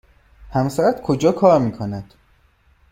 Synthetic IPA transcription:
hæmsæɾæt̪kʰod͡ʒɒːkʰɒːɾmiːkʰonæd̪̥

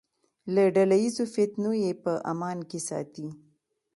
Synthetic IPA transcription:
laɖalajizofɪt̪nojepəʔa̰mɑnkesɑ̰t̪i

